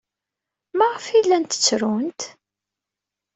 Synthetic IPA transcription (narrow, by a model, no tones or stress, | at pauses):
maʁəfilːænt̪ə̥t͡sːɾunt̪